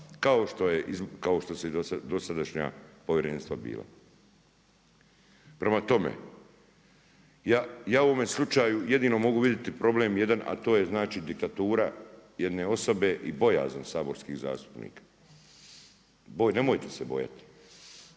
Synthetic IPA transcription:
kaoʃt̪o̞jeʔizkao̞ʃt̪oseosad̪o̞sad̪aʃɲa̰poʋjeɾeːnst̪ʋabḭːlˠa̰ | pɾe̞mat̪o̞mḛ | jaːjaːuo̞me̞slˠut͡ʃaːjujed̪iːno̞mo̞ɡuʋid̪jet̪ipɾo̞bleːmje̞d̪anʔa̰t̪o̞ːje̞znaːt͡ʃiːd̪ik̚t̪at̪uːɾaje̞d̪ne̞o̞so̞be̞ʔibo̞ja̰ːzomsaːboɾskiɣza̰ːst̪u̥pnḭːkḁ | bojne̞mojt̪esebo̞̰ja̰t̪i̥

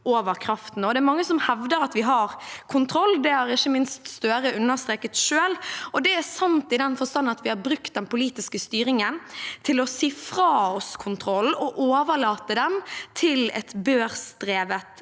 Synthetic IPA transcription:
ʔoːʋəɾkʰɾɑft̪n̩ɔd̪ɛːɾmɑŋːəsɔmhɛʋd̪əɾɑt̪ʋɪɦɑɾkʰʊnt̪ʰɾɔlːd̪ɛhɑɾɪçːəmɪnst̪st̪øːɾəʉnːəʁst̪ɾeːkət̪ʃøːlɔd̪ɛæsɑnt̪ɪd̪ɛnfɔst̪ɑnːnɑt̪ʋɪhɑɾbɾʉkt̪̚d̪ɛnpʊliːt̪ɪskəst̪yːɾɪŋənt̪ʰɪlɔsiːfɾɑɔskʰʊnt̪ʰɾɔlɔʔoːʋəɭɑːt̪əd̪ɛmt̪ʰɪlɛ̰t̪bøːɾst̪ɾeːʋət̪

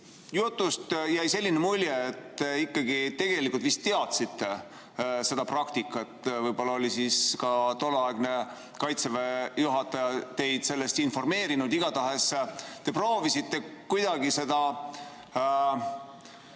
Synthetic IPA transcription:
jut̪ːˑust̪jæjse̞lːinemulʲjeːt̪ːeikːɑɡit̪e̞ɡ̥e̞likult̪vist̪ːeɑt̪sit̪ːˑe | se̞d̪̥ɑprɑkt̪ikːˑɑt̪ːvɤjb̥o̞lːɑo̞lisiskɑt̪o̞lːɑeɡ̥ne̞ | kɑjt̪sevejuɦɑt̪ːɑjɑt̪e̞jd̪̥se̞lːest̪info̞rme̞ːɾinud̪iɡ̥ɑt̪ɑɦe̞st̪e̞pro̞ːvisit̪ːe̞kujd̪ɑɡise̞d̪̥ɑ

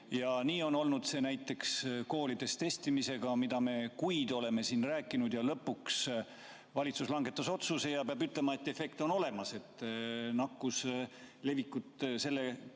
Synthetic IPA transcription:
jɑniːo̞no̞lnud̪̥se̞ːnæjt̪ːe̞ksko̞ːlid̪̥e̞st̪e̞st̪imise̞ɡ̥ɑmid̪̥ɑme̞kujd̪o̞le̞me̞sinræːkːˑinud̪̥jɑlɤpːuks | vɑlʲit̪suslɑŋɡe̞t̪ːˑɑso̞t̪suse̞jɑpeɑbyt̪le̞mɑe̞t̪ːe̞fe̞kt̪o̞no̞le̞mɑse̞t̪ːnɑkːus | le̞vikːˑut̪se̞lːe

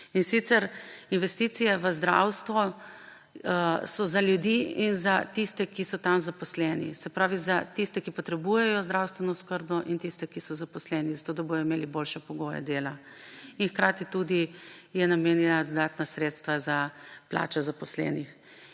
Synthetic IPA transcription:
insit̪sɛɾinʋɛst̪iːt̪sijɛʋəzd̪ɾa̰wst̪ʋɔ | sɔzaljud̪iːinzat̪ist̪ɛkisɔt̪amzapɔslɛnḭsɛpɾaːʋizat̪ist̪ɛkipɔt̪ɾɛbujɛjɔzd̪ɾawst̪ʋɛnɔskəɾbnɔʔint̪ist̪ɛkisɔzapɔslɛːnizat̪oːd̪abojɔimeliboːlʃɛpɔɡoːja̰d̪eːla | inxkɾaːt̪it̪ud̪ijɛnameːnjɛnad̪ɔd̪aːt̪nasɾeːt̪st̪ʋazapla̰ːt͡ʃɔzapɔslɛ̰ːnix

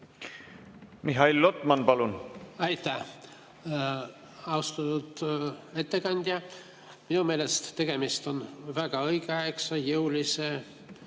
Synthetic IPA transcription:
miɦɑilːot̪ːˑmɑnpɑlunɑjt̪ːˑæh | ɑwst̪ɑnut̪e̞t̪ːe̞kɑnʲd̪̥ʲjɑ | minume̞ːlest̪ːe̞ɡ̥e̞mist̪o̞nvæɡ̥ɑɤjɡeɑeksɑjɤwlise

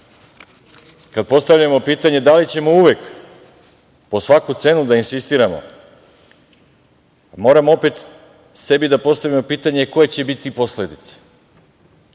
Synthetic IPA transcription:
kad̪̚po̞st̪avʋʎamo̞piːt̪aɲe̞d̪alit͡ɕe̞mo̞uʋek | po̞sʋakut̪se̞nud̪ainsist̪iːɾamo̞̰ | mo̞ɾamoo̞pe̞t̪ | se̞bid̪apo̞st̪aʋimo̞piːt̪aɲe̞ko̞je̞t͡ɕe̞bit̪ipo̞sle̞d̪it̪se̥

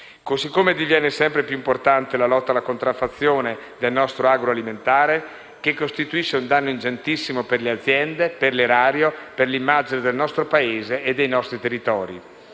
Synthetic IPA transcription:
kozikːomed̪ivjɛːnesɛmpɾepjuimport̪ant̪elalɔt̪ːalakont̪ɾafːat̪sːjoːned̪elnɔst̪ɾoaɡɾoaliment̪aːɾe | kekːost̪it̪uiʃːeund̪anːoind͡ʒent̪isːimoperlead̪zːjɛnd̪eperleɾaːɾjoperlimːaːd͡ʒined̪elnɔst̪ɾopaeːzeːd̪ːejnɔst̪ɾit̪erːit̪ɔːɾḭ

